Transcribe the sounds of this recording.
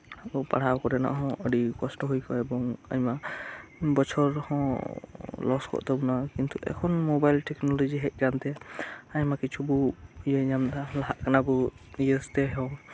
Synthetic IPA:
ɔpa̰ɽ̤awkɔɾɛna̰ʔɦɔ̃ʔəɖikɔsʈɔɦujkɔɛbɔŋa̰ɲma | bɔt͡ʃʰɔɾhɔ̃ | lɔskɔ̰ʔt̪ɛbɔnakint̪uʔɛ̰kʰɔnmobajlʈɛknɔlɔd͡ʒiɦɛc̚ˀkant̪ɛaɲmakit͡ʃʰubɔjəɲamd̪alaɦaʔkanabɔijəst̪ɛɦɔ

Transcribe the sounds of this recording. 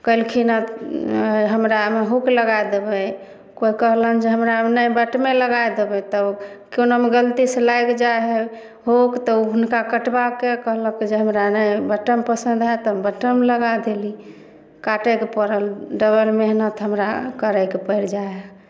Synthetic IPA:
kəilkʰinə | ɦəmɾameɦukləɡajd̪ebə | koikəɦlənd͡ʒeɦəmɾanəjbəʈmeləɡajd̪ebɛt̪ə | kjonomeɡəlt̪iselajkd͡ʒaeɦɛ | ɦokt̪ɔuɦunkakəʈbakekəɦləkid͡ʒeɦəmɾanəjbəʈəmpəsə̃nd̪ʱat̪əbəʈəmləɡad̪eli | kaʈəkepəɾəlɖəβəlmeɦnət̪ɦəmɾakəɾəjkepəjɾd͡ʒaeɦɛ

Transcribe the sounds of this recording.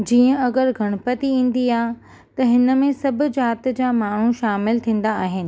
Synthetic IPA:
d͡ʑiːə̃ɐɡəɾɡʱɐɽ̃ʊ̆pət̪iĩːn̆d̪iaːɦ | t̪ɐɦɪnə̆mẽsɐbʱʊ̆d͡ʑaːt̪d͡ʑaːmaːɳ̤ũʃaːmɪlt̪ʰĩːn̆d̪aaːɦɪnɪ̆

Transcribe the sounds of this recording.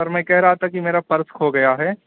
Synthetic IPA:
ɐɾmɛ̃ːkɛɦɾɐɦat̪ʰakimeːɾapɐɾskoɡɐjaɦɛː

